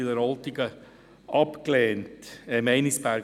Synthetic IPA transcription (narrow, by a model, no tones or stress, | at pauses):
ɪləɾɑlt̪ɪɡə | ʔɑpklɛːntɛmɛɪnisbæɾɡ